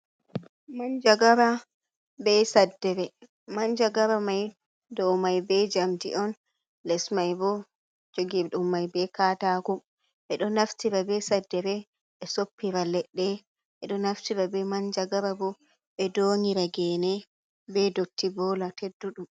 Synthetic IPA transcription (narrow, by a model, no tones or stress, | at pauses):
maɲd͡ʒaɡaɾa | bɛsadːɛɾɛ | maɲd͡ʒaɡaɾamaj | dɔwmajbɛd͡ʒamtḭʔɔn | lɛsmajbɔ | d͡ʒoɡiɗumːajbɛkaːtakɔ | ɓɛɗɔnaftiɾabɛsadːɛɾɛ | ɓɛsopːiɾalɛɗːɛ | ʔɛɗɔnaftiɾabɛmaɲd͡ʒaɡababɔ | ɓɛdoŋiɾaɡɛːnɛ | bɛdotʰːibɔːlatedːuɗum